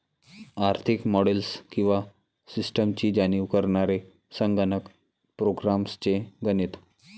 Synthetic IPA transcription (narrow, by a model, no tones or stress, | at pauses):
aɾt̪ʰikmɔɽelskĩw̃ʋa | sisʈəmt͡ɕiːd͡ʑaniʋkəɾɳaɾe | səŋɡənək | pɾoɡɾamst͡ɕeɡənit̪